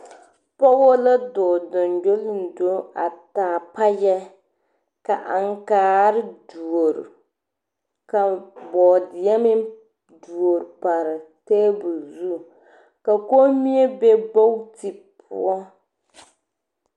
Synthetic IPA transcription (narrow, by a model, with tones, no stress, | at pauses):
pa˦wo˦la˦dɔ˨dɔ˨nd͡ʒo˦lɪ˦n˨do˦a˨taː˨pa˦jɛ˦ | ka˨ʔa˨ŋ˦kaː˨ɾɪ˦du˨o˨ɾ̰ | ka˨bɔː˨dɪ˨ja˦mɪ˦ | du˨o˨ɾpa˨ɾɨ˨teː˦bu˨zu˦ | ka˨ko˦mi˦e˦be˦bo˦wti˨ | pʰʊ̰˦ɔ˦